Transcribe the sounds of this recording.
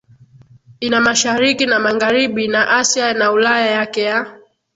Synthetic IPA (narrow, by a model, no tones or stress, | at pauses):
inamaʃaɾikinamaɣaɾiɓinaʔasjanaulajajakɛja